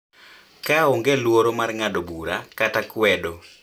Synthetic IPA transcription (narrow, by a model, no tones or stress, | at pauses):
kaoŋɡelwoɾomarŋadobuɾakatakwɛdo